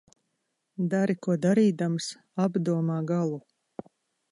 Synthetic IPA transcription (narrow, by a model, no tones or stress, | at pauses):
d̪aɾikuɔd̪aɾiːd̪ams | abd̪uɔmaːɡalˠu